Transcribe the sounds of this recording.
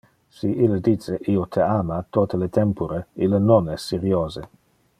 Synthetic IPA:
siʔilːəd̪it͡seʔiot̪ʰeamat̪ot̪əlet̪ʰɛmpuɾeilːənonɛsːeɾioːze

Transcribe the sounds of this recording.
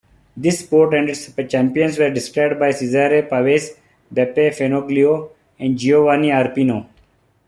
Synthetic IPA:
d̪ɪspoːɾʈɛ̃ɳɖɪʈst͡ʃæ̃mpiə̃nsʋeːɾɖɪskɾaɪbɖ̚baɪsizaɾepaʋeːs | bepefenoːɡlioː | ɛ̃ɳɖd͡ʒioʋaːniaːɾpiːnoː

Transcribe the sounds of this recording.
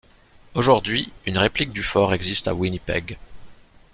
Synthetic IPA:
oʒuʁd̪ɥiynʁeplik̚d̪yfɔʁɛɡzist̪a̰winipɛɡ

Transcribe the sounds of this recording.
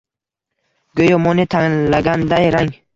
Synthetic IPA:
ɡøjɔmɔnɪt̪ʰaŋlːaɡʲand̪ajɾaŋ

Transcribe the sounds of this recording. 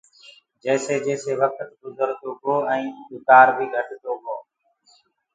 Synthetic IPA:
d͡ʒəːseːd͡ʒeːseːʋəkʰət̪ʊd̪ʱəɾt̪oːboːɛ̃ːʊt̪aːɾbʱiːɡʱəʈʰt̪oːboː

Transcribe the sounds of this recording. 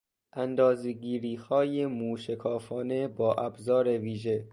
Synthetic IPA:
ʔænd̪ɒːzeɡiːɾiːhɒːjemuːʃekʰɒːfɒːne̞bɒːʔæbzɒːɾeviːʒe̞

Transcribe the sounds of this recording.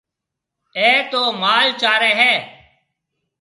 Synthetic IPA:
eːt̪oːmaːlt͡ʃaːɾẽːɦɛː

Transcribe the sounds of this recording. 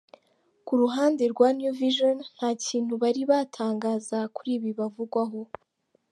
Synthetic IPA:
kuɾuɦaːnde̞ɾɡwaːnjuviʒonn̥haːciːn̥huβaɾiβaːtʰaːŋɡaːzakuɾiːβiβavuɡwaɦo̞

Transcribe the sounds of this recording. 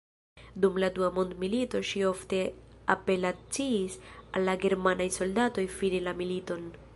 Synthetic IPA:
d̪umlad̪uamond̪milit̪o̞ʃio̞ft̪e̞ape̞lat͡siːsalːaɡe̞ɾmanajso̞ldat̪o̞jfinilamilit̪o̞n

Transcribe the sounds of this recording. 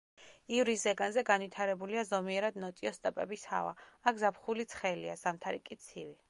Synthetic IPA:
ivɾiszɛɡanzɛɡanwit̪ʰaɾɛbuliazɔmiɛɾad̪nɔt̪ʼiɔst̪ʼɛpʼɛbisha̰va̰akʰzapχulit̪sʰχɛlia̰zamt̪ʰaɾḭkʼit̪sʰivi

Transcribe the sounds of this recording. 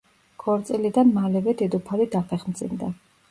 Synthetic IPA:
ɡ̥ʰɔɾt̪sʼilid̪anmalɛvɛd̪ɛd̪ɔpʰalid̪apʰɛχmd̪zʼḭnd̪a

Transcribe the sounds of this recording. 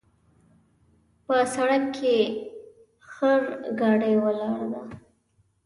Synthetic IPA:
pəsaɽakkʰe | xəɾɡɑɖəjwəlɑɾad̪a

